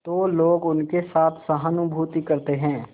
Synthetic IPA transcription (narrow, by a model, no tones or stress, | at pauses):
t̪oːloːɡʊnkesaːt̪ʰsɐɦənʊbʱuːt̪ikɐɾt̪eɦɛ̃ː